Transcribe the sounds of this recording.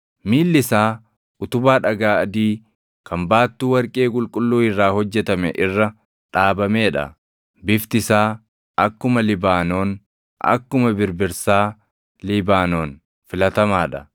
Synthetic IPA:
miːlːɪsaː | ʔʊt̪ʊbaːᶑɐɡaːɐd̪iː | kʰɐmbaːt̪ːuːwɐɾkʼe̞ːkʼʊlkʼʊlːuːɪrːaːhɔd͡ʒːɛt̪ɐmɛʔɪrːɐ | ᶑaːbɐmeːᶑɐ̰ | bɪft̪ɪsaː | ʔɐkːʊmɐlɪbaːnoːn | ʔɐ̰kːʊmɐbɪɾbɪɾsaː | lɪbaːnoːn | fɪlɐt̪ɐmaːᶑɐ

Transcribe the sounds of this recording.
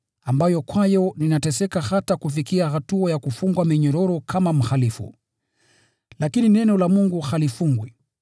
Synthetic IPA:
ambajɔkwajɔninatɛsɛkahatakufikiahatuajakufuŋɡwamɛɲɔɾɔɾɔkʰamam̩xalifṵ | lakininɛnɔlamuŋɡuhalifuŋɡwi

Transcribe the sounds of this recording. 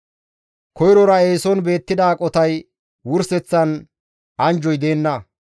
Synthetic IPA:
kɔjɾɔɾɐe̞ːsɔnbe̞ːt̪ːɪd̪aːkʼɔt̪ɐj | wʊɾsɛt͡sːɐn | ɐnd͡ʒɔjd̪e̞ːnːɐ

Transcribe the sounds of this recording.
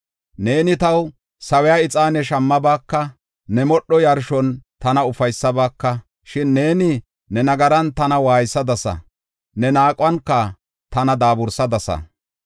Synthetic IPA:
ne̞ːnɪt̪ɐw | sɐwɛjaːɪt͡sʼaːnɛʃɐmːɐbaːkːɐ | nɛmɔɗːɔjɐɾʃɔnt̪ɐnɐʊfɐjsːɐbaːkːɐ | ʃɪnːe̞ːnɪ | nɛnɐɡɐɾɐnt̪ɐnɐwaːjsːɐd̪ɐsɐ̰ | nɛnaːkʼwɐnkːɐ | t̪ɐnɐd̪aːbʊɾsɐd̪ɐsɐ̰

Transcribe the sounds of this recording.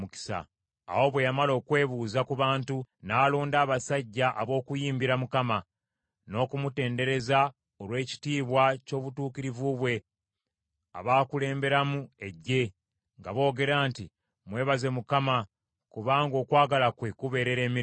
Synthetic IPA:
muki̥sa̰ː | wo̞βwe̞jamalo̞ːkwe̞ːβuːzakuβaːntunaːloːndaːβasaɟːaʔaβo̞ːkujiːmbiɾamukama | no̞ːkumute̞ːnde̞ɾe̞za | olwe̞ːci̥tiːβwaco̞ːβutuːkiɾivuβwe̞ | a̰βaːkule̞ːmbe̞ɾamue̞ɟːe̞ | ŋɡaβo̞ːɡe̞ɾaːnti | mwe̞ːβaze̞mukama | kuβaːŋɡo̞ːkwaːɡalakwekuβe̞ːɾe̞ɾe̞ːmi

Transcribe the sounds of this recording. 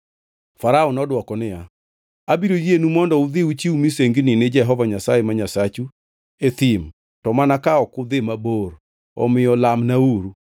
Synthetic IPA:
faɾaɔnɔdwɔkɔnɪja | abiɾojienumɔndɔʊd̪ɪut͡ʃiumiseŋɡnɪnɪd͡ʒɛɦɔvaɲasajemaɲasat͡ʃu | et̪im | tɔmanakaɔkʊd̪ɪmaboɾ | ɔ̰mɪjɔlamnauɾu

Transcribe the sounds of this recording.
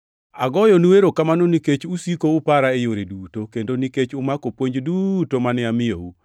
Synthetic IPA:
aɡɔjɔnuweɾokamanoniket͡ʃusikoupaɾaejoɾedutokendoniket͡ʃʊmakopwoɲd͡ʒdutomanɪamɪjo̰u

